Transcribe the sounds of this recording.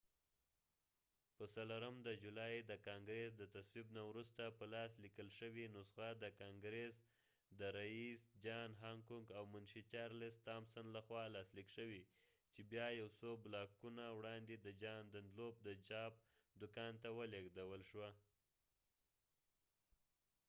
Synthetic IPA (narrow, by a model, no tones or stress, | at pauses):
pəsaloɾəmd̪əd͡ʒulɑjd̪əkɑŋɡɾes̬d̪ət̪aswibnawɾust̪apəlɑslikəlʃəwinosɣad̪əkɑŋɡɾes | d̪əɾaisd͡ʒɑnɦɑŋkuŋɡawmʊnʃit͡ʃɑɾlɪst̪ɑmsanlaxwɑlɑslikʃəwi | t͡ʃebjɑjawsoblɑkunawɽɑnd̪ed̪əd͡ʒɑnd̪and̪lob̚d̪ət͡ʃɑp̚d̪ʊkɑnt̪awəleɡd̪awəlʃwa